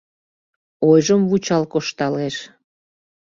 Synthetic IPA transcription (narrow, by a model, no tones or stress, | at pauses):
ojʒəmvut͡ɕɑlkoʃt̪ɑleʃ